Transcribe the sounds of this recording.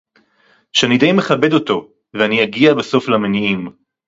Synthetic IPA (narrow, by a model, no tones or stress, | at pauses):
ʃeanid̪ejmeχabe̞do̞to̞ | veaniaɡiabeso̞flameniim